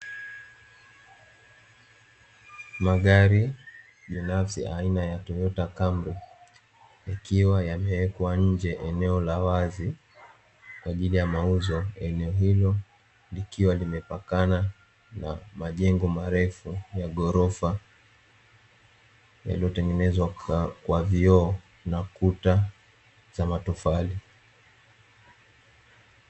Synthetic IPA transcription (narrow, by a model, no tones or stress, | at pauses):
maɠaɾi | ɓinafsḭʔainajatɔjɔtakambɾi | akiwajamɛwɛkwaɲ̩d͡ʒɛʔɛnɛɔlawazi | kwaʄilijamauzɔɛnɛɔɦilɔ | likiwalimɛpakana | na̰maʄɛŋɡɔmaɾɛfujaɠɔɾɔfa | ja̰liɔtɛŋɡɛnɛzwakwaviɔ | nakuta | z̥amatufali